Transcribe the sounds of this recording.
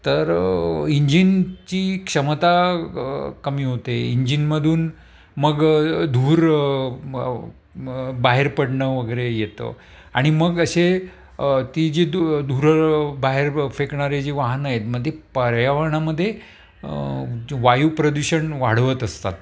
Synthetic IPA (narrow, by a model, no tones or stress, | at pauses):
t̪əɾiɲd͡ʑint͡ɕiːkʂəmət̪a | kəmiːɦot̪eiɲd͡ʑinməd̪ʱuːn | məɡd̪ʱuːɾ | baɦeɾpəɽɳəʋəɡəɾejet̪ə̰ | a̰ɽ̃iməɡəɕe | t̪id͡ʑed̪ʱuɾbaɦeɾfekɳaɾed͡ʑiʋaɦnajet̪məd̪ʱːjepəɾjaʋaɳaməd̪ʱːje | ʋajupɾod̪uɕəɳʋaɽ̤ʋət̪əst̪a̰t̪̚